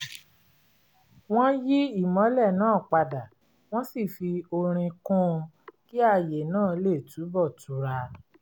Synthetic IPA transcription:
w̃ɔ̃˦ji˦i˦˨mɔ̃˨˦lɛ˦˨nãː˦˨k͡pa˧da˨ | w̃ɔ̃˦si˦˨fi˧o˧ɾ̃ĩ˧kũ˦˧ | ki˦a˦˧je˨nãː˦˨le˦˨tu˨˦bɔ˦˨tu˨˦ɾa˧

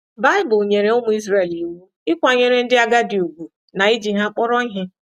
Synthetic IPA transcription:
ba˦ɪ˦bʊ˨ɲe˨ɾe˨ʊ˦mʊ˨i˦zɾe˦˨li˨u˨wu˦ɪ˦kʷa˨ɲe˨ɾe˨n̩˦dɪ˦a˦ɡa˦dɪ˨u˨ɡʷu˨ | na˨i˦d͡ʒi˨ɦa˦k͡pɔ˦ɾɔ˦ɦɪ˦

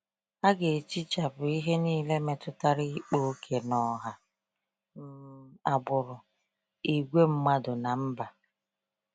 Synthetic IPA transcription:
a˦ɡe˨t͡ʃi˦t͡ʃa˨bʊ˨i˦ɦe˦niː˦˨le˦me˨tʊ˦ta˦ɾi˦k͡po˦kʰe˨nɔ˨ɦa˨ | n̩˦˨a˨bʊ˨ɾʊ˨ | i˨ɡʷe˦m̩˦ma˦dʊ˨na˨m̩˦ba˨

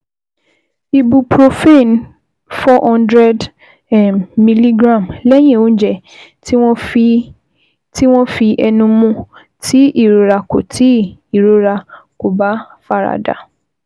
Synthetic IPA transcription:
i˨bu˨pʰɾo˨fe˦˨n˦ | fɔ˦hɔ̃˦ndɾɛ˦d | mi˨li˦ɡɾã˦˨mlɛ˦j̃ɛ̃˦˨õ˦n˦d͡ʒɛ˨˦ | ɔ̃˦ | ti˦w̃ɔ̃˦fi˧ʔɛ˨nũ˧mũ˦ | tʰi˦ʔi˨ɾo˨˦ɾa˧ko̰˨tʰi˦i˨ɾo˨˦ɾa˧ko˨ba˦ | fa˦ɾa̰˨da̰˨

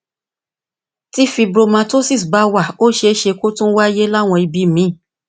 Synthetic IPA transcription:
ti˦fi˧bɾo˧mã˧to˦si˦˨sba˨˦wa˦˨o˦ʃe˧˦ʃe˧ko˦tũ˦wa˦je˦la˦˨w̃ɔ̃˧i˧bi˨˦˨mĩ˨˦˨

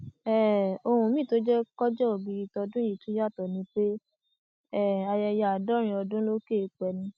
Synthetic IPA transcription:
ɛ˦˨o˧hũ˧˨mĩ˦˨to˨˦d͡ʒɛ˦kɔ˦d͡ʒɛ˦o˨bi˨˧ɾi˧tɔ˧dũ˦i˨tũ˨˦ja˦˨tɔ˨nĩ˧k͡pe˦ | ɛ˦˨a˧jɛ˧ja˨a˨dɔ˦ɾ̃ĩ˧˦ɔ˧dũ˦lo˦ke˦˨˦k͡pɛ˨nĩ˧

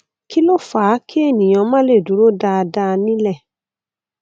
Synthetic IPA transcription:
ki˦lo˦faː˨˦kʰi˦e˦˨nĩ˨j̃ã˨mã˦le˦˨du˨˦ɾo˦da˧da˧nĩ˦lɛ˦˨

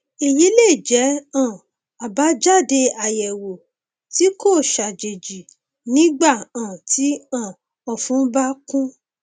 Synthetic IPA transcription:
e˨ji˨˦le˦˨d͡ʒɛ˨˦ã˦˨ | a˨ba˨˦d͡ʒa˦˨de˧a˨jɛ˨wo˨ | ti˨˦ko˦˨ʃa˨d͡ʒe˨d͡ʒi˨ | nĩ˨˦ɡ͡ba˦˨ã˨ti˨˦ã˦˨ | ɔ˨fũ˨˦ba˦kũ˦

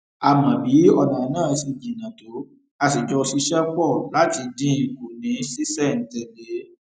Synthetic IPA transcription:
a˨mã˨bi˨˦ɔ˧˨nã˨˦nãː˦˨˧si˨˧d͡ʒi˨nã˨to˨˦ | a˧si˨d͡ʒɔ˧si˧˦ʃɛ˦pɔ˦˨lla˨˦ti˧dĩ˦˨˧ko˨nĩ˨˦si˦sɛ˦˨n̩˨˦tɛ˧˨de˨˦

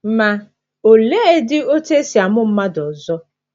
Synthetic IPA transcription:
m̩˦ma˨ | o˨le˦e˦dɪ˦o˦te˦si˨a˨mʊ˦m̩˦ma˦dɔ˨zɔ˦

